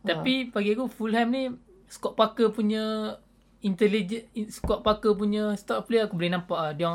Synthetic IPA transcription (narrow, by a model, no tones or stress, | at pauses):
t̪apipaɡiakufulɦɛmni | skɔʔpakəpuɲã | int̪ɛlid͡ʒɛskɔʔ̚pakəp̬uɲãst̪ɔʔpleakubolinãmpaʔdɔŋ